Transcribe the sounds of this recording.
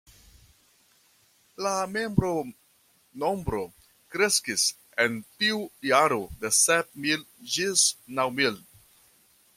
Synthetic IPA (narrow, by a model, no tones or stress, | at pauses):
lame̞mbɾo̞ | no̞mbɾo̞ | kɾe̞skis | e̞ntiujaɾode̞sep̚mil | d͡ʒisnawmil